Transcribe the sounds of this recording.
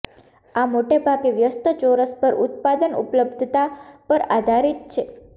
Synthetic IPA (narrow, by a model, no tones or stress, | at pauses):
amoʈebʱaɡeʋjəst̪ʰət͡ʃoɾəspəɾut̪̚pad̪ənṵpləbd̪ʱt̪apəɾad̪ʱaɾit̪̚t͡ʃʰe